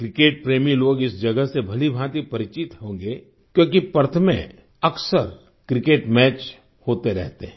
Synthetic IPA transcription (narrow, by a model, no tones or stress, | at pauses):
kɾɪkeːʈ̚pɾeːmiloːɡɪsd͡ʒɐɡəɦsebʱɐlibʱãːt̪ipɐɾɪt͡ʃɪt̪hõːŋɡe | kjõːk̬ipɐɾt̪ʰəmḛ̃ | ɐksəɾ | kɾɪkeːʈmɛːt͡ʃ | hoːt̪eɾɛ̰ɦt̪eɦɛ̃